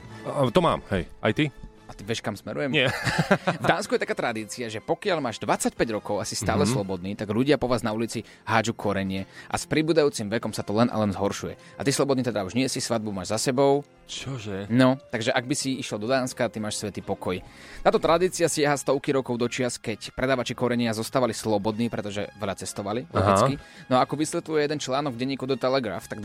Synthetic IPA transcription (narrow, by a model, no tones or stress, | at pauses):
t̪ɔma̰ːmhɛjʔa̰jt̪i | at̪iʋɛʃkamsmɛɾujɛmɲɪɛ | vd̪aːnskuʊjɛt̪akaːt̪ɾad̪iːt͡siaʒɛpɔkɪaʎmaːʒd̪ʋat͡sacpɛɟɾɔkɔʊasist̪aːlɛslɔbɔd̪niːt̪aɡʎuɟɪapɔʋaːznaulit͡si | ɦaːd͡ʒukʰɔɾɛɲɪɛʔa̰spɾibud̪ajuːt͡simʋɛkɔmsat̪ɔlɛnʔa̰lɛnzɦɔɾʃujɛ̰ | a̰t̪islˠɔbɔd̪iːt̪ɛd̪auʒɲɪɛsisʋad̪̚bumaːʒzasɛbɔʊ | t͡ʃɔʒɛnɔt̪aɡʒɛʔaɡbisiiʃɛlˠd̪ɔd̪aːnskat̪imaːʃsʋɛt̪iːpɔkɔjt̪aːt̪ɔt̪ɾad̪iːt͡siasɪaɦast̪ɔʊkiɾɔkɔʊd̪ɔt͡ʃɪaskɛcpɾɛd̪aːʋat͡ʃikɔɾɛɲɪazɔst̪aːʋalislɔbɔd̪niːpɾɛt̪ɔʒɛ̰ʋɛʎat͡sɛst̪ɔʋalilɔ̰ɡit͡skinɔaakɔʋisʋɛt̪lujɛjɛd̪ɛnt͡ʃlaːnɔɡɟɛɲːiːkɔd̪ɔt̪ɛlɛɡɾa̰ːft̪aɡ̪